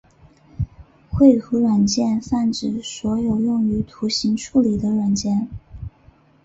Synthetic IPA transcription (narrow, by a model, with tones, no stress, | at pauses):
xwe˥˩ɪtʰu˧˥ɻwa˨˩nt͡ɕjɛ˥˧nfa˥˩nʈ͡ʂɻ̩˥˩swɔ˧˥jo˨˩ʊjʊ˥˩ŋy˧˥t̪ʰu˧˥ɕi˧˥ŋʈ͡ʂʰu˥˩li˨˩d̪ə˦ɻwa˨˩nt͡ɕjɛ˥˩n